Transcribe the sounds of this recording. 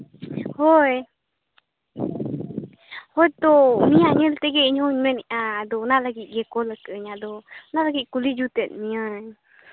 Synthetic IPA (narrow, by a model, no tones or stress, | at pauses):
hoj | hojt̪onĩãɲəlt̪eɡeɲhũɲmenʔãd̪onalaɡiʔɡekoləkəɲad̪onalaɡiʔkulid͡ʒut̪et̪̚mĩəɲ